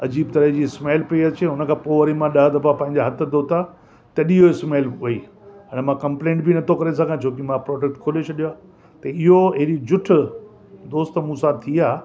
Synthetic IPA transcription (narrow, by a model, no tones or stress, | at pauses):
ɐd͡ʑiːb̚t̪ɐɾəɦd͡ʑiːɪsmeːlpeɐt͡ɕʰeɦʊnəkʰãːpoːʋɐɾimãɗɐɦd̪ɐfapɐ̃ɦɪ̃ɲd͡ʑaɦɐt̪ʰd̪oːt̪a | t̪ɐɗiɦoɪsmeːlʋɐi | ənmãkɐ̃mplẽːɳʈ̚bɪnɐt̪ʰokɐɾes̬ãːkʰãt͡ɕʰoːkɪmãpɾɔːɖek̚ʈkʰoːlet͡ɕʰɐɗijoaː | t̪ɐɪɦoeɾid͡ʑʊʈ̆ʰ | d̪oːst̪mũsãt̪ʰiaː